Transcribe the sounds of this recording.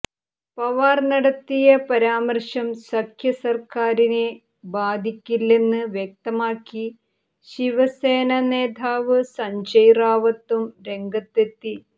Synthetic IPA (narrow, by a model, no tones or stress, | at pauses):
pɐʋaːrnɐɽɐt̪ːijɐpɐɾaːmɐrʂɐmsɐkʰjɐsɐrkaːɾine | baːd̪ʱikʲːilːenːɨʋjek̚t̪ɐmaːkːi | ɕiʋɐseːnɐneːd̪ʱaːʋɨsɐɲt͡ɕɐjraːʋɐt̪ːumɾe̞ŋɡɐt̪ːet̪ːi